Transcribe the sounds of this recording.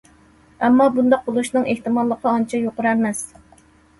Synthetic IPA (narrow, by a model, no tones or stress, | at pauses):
ɛmːɑbund̪ɑq̚bolˠuʃnɨŋʔeht̪ɨmɑlˠːəqʰəɑnt͡ʃʰɛjoqʊɾæmɛs